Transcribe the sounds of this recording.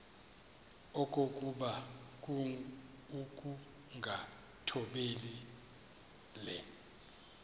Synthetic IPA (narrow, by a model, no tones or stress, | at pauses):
ɔkʼokʼuɓak̬ʼu | ukʼu | ŋɡʱa | tʰɔɓeli | lɛ